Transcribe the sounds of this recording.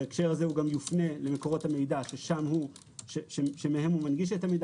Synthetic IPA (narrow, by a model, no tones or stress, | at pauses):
ekʃe̞ʁazeuɡamjufne̞lemeko̞ʁo̞thame̞jdaʃeʃamhu | ʃeʃeʃemehe̞mumanɡiʃ̬etamejda